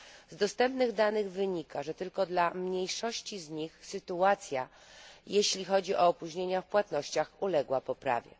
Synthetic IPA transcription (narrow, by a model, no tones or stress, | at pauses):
zd̪ɔst̪ɛmpnɘɣd̪anɘɣvɘɲikaʐɛt̪ɘlkɔd̪lamɲejʂɔɕt͡ɕizɲixsɘt̪uat̪sʲja | jeɕlʲixɔd͡ʑiʔɔːpuʑɲeɲafpwat̪nɔɕt͡ɕaxulɛɡwapɔpɾa̰vʲjɛ̰